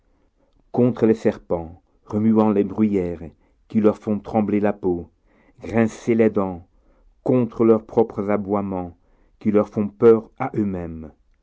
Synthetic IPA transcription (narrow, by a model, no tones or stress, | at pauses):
kɔ̃t̪χəlɛsɛʁpɑ̃ | ʁəmyɑ̃lɛbʁyjɛːʁ | kilœʁfɔ̃t̪χɑ̃blelapo | ɡʁɛ̃selɛd̪ɑ̃ | kɔ̃t̪χəlœʁpχɔpχəzabwamɑ̃ | kilœʁfɔ̃pœʁaʔømɛm